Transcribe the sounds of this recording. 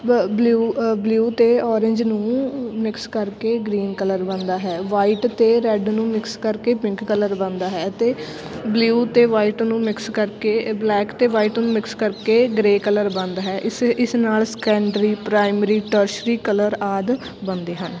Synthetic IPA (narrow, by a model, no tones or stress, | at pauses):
bluːbljuːt̪eːɔːɾɪ̃ɲd͡ʒnũːmɪkskəɾkeːɡɾiːnkələɾbə̃nd̪aːɦɛːʋaːiːʈt̪eːɾɛɖnũːmɪkskəɾkeːpɪ̃ŋkːələɾbə̃nd̪aːɦɛːt̪eː | bljuːt̪eːʋaːiːʈnũːmɪkskəɾkeːblɛːkt̪eːʋaːiːʈnũːmɪkskəɾkeːɡɾeːkələɾbə̃nd̪aːɦɛːʔɪsɪsnaːlskɛ̃ːɳɖɾiːpɾaːɪmɾiːʈəɾʃɾiːkələɾaːd̪ | bə̃nd̪eːɦən